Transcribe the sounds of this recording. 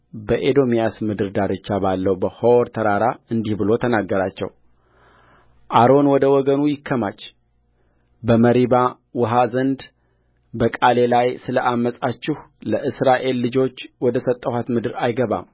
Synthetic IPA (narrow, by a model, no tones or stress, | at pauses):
bəʔed̪o̞mijasmɨd̪ɨɾd̪aɾɨt͡ʃːabalːəwbəhowɾt̪ʰəɾaɾaɨnd̪ihbɨlo̞t̪ʰənaɡːəɾat͡ʃːɛ̰w | ʔaɾo̞nwɔd̪əwɔɡənujɪkʰːəmat͡ʃː | bəməɾiba | wɔɦazənd̪ | bəkʼale̞lajsɨləʔamːəsʼat͡ʃːɪhləʔɨsɾaʔe̞lːɨd͡ʒo̞t͡ʃːwɔd̪əsət̪ʼːəhat̪mɨd̪ɨɾajɡəβa̰m